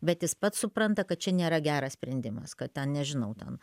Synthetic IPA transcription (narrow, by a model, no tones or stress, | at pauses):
bʲɛt̪jɪspɐt̪ssʊpɾɐnt̪ɐkɐt̪̚t͡ʃʲɛnʲeːɾɐɡʲæːɾɐsʲpʲɾʲɛnʲd̪ʲɪmɐskɐt̚t̪ʲɛnnʲɛʒʲɪnɐʊt̪ʲɛ̰n